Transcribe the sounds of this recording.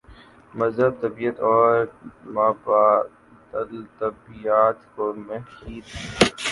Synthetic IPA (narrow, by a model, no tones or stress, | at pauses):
mɐzəb̚t̪ɐbiːət̪ɔːɾmaːba | t̪ət̪ɐbijaːt̪komexiːd̪ɛ